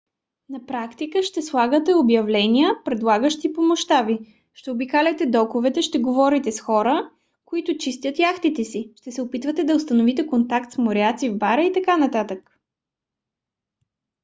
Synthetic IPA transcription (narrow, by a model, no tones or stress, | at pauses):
nɐpɾakt̪ikəʃt̪ɛslˠaɡət̪ɛobjɐvlɛniəpɾɛd̪lˠaɡəʃt̪ipomoʃt̪abi | ʃt̪ɛobikalʲɛt̪ɛd̪ɔkovɛt̪ɛʃt̪ɛɡovɔɾit̪ɛsxɔɾə | koit̪ʊt͡ʃist̪ʲjət̪jaxt̪it̪ɛsiʃt̪ɛsɛopit̪vət̪ɛd̪ɐost̪ɐnovit̪ɛkont̪akt̪smoɾɛat̪sivbaɾəit̪ɐkanɐt̪at̪ək